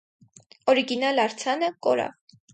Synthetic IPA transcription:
ɔɾiɡinɑlɑɾt͡sʰɑnəkɔɾɑ̰v

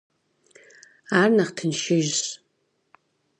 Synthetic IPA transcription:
aːrnɐχtʰɨnʃɪʒɕ

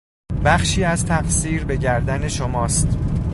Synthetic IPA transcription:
bæχʃiːæzt̪ʰæqsiːɾbe̞ɟæɾd̪æne̞ʃomɒːst̪

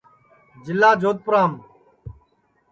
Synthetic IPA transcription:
d͡ʒɪlːaːd͡ʒʱoːt̪̚pʊɾaːm

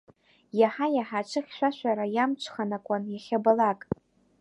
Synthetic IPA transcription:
jaħajaħat͡ʃʰɨχʲʃʷᶣaʃʷᶣaɾajamt͡ʃʷʰχanakʷʼanjaχʲabalakʼ

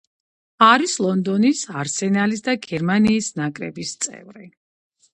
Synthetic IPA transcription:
aɾislˠɔnd̪ɔnisaɾsɛnalisd̪aɡɛɾmaniːsnakʼɾɛ̰bist̪sʼɛ̰vɾi

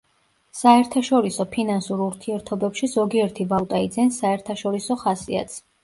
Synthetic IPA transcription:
saɛɾt̪ʰaʃɔɾisɔpʰinansuɾuɾt̪ʰiɛɾt̪ʰɔbɛpʃizɔɡiɛɾt̪ʰivat̪ʼaid̪zɛnsaɛɾt̪ʰaʃɔɾisɔχasia̰t̪sʰ

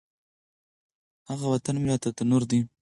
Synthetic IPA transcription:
haɣawat̪anmɪlat̪at̪anʊɾd̪i

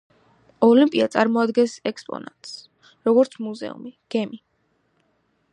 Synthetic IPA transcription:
ɔlimpʼiat̪sʼaɾmɔad̪ɡɛnsɛkspʼɔ̰na̰t̪ʼs | ɾɔɡɔɾt̪sʰmuzɛ̰ṵmiɡ̥ɛmi

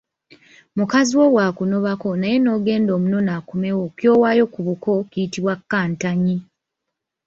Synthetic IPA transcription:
mukaziwo̞waːkuno̞βako̞naje̞no̞ːɡe̞ːndo̞ːmuno̞naːkume̞wo̞kjo̞ːwaːjo̞kuβuko̞kiːtiβwakːaːntaɲi

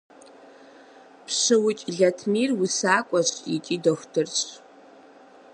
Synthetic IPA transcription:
pʰʂɨwʊt͡ʃʼɮɐtʰmiːrwʊsaːkʷʼɔzʼitʼiːdoxʷtʰɨrt͡ɕʼ

